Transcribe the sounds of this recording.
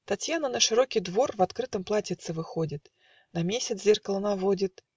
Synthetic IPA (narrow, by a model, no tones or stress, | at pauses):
t̪ɐtʲjanənəʂɨɾo̞kʲɪjd̪vo̞rvɐt̪kɾɨt̪əmplˠatʲɪt̪sɨvɨxodʲɪt̪ | nɐmʲesʲɪt̪szʲerkəlˠənavo̞dʲɪt̪